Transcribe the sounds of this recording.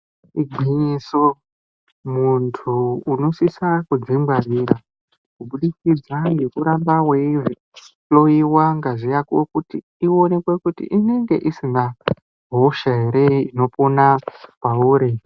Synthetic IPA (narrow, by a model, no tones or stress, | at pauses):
iɡʱiɲiso | muntʰuːno̞sisakud͡zimbwariɾa | kuɓuɗikid͡zaŋɡe̞kuɾambaweivi | lo̞jiwaŋɡaʐijakokutiːone̞kwekutḭʔine̞ŋɡe̞̰ʔisina | ɦo̞ʃaɦe̞ɾe̞ino̞ponapauːɾe